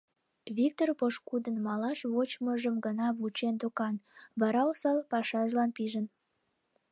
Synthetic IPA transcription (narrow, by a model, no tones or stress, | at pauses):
βik̚t̪orpoʃkud̪ənmɑlɑʃβot͡ɕməʒəmɡənɑβut͡ɕent̪okɑnbɑɾɑosɑlpɑʃɑʒlɑnpiʒən